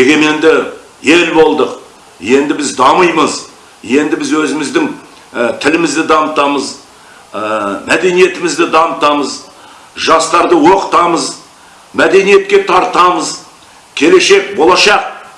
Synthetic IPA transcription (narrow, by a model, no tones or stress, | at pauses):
eɡʲe̞me̞nd̪ɪ | je̞lbo̞lˠd̪əq | je̞nd̪ɪbɪzd̪ɑməjməz | je̞nd̪ɪbɪzwɵzɪmɪzd̪ɪŋ | t̪ʰɪlɪmɪzd̪ɪd̪ɑmət̪ɑməz | mæd̪e̞nije̞t̪ɪmɪzd̪ɪd̪ɑmət̪ɑməz | ʒɑst̪ɑɾd̪əwo̞qə̥t̪ɑməz | mæd̪e̞nije̞t̪̚kʲe̞t̪ʰɑɾt̪ɑməz | kʲʰe̞le̞ʃe̞k̚bo̞lˠɑʃɑq̚